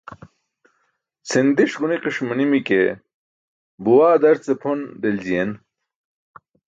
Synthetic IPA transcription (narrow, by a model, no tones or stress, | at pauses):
sind̪iʂʁuniqiʂmɐnimike | buwaːd̪ɐɾt͡sepʰond̪elzijen